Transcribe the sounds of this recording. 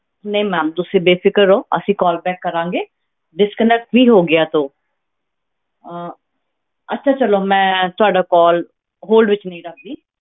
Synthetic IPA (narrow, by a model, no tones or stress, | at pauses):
neːmɛ̃ːmt̪ʊsẽːbeːpʰɪkəɾoːə̰sĩːkɔːlbɛːkːəɾãːŋɡeː | ɖɪskənɛk̚ʈʋiːɦoːɡɪaːt̪õː | ətːʃʰaːt͡ʃəloːmɛ̃ːt̪ʊaːɖaːkɔːl | ɦoːlɖʋɪt͡ʃnəĩːɾək̚ʰd̪iː